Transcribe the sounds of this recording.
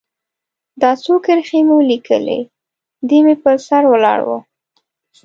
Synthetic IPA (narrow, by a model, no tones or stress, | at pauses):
d̪ɑsokɪɾxemewlikʰə̰lḛ | d̪emepəɾsaɾwəlɑ̰ɽwo̰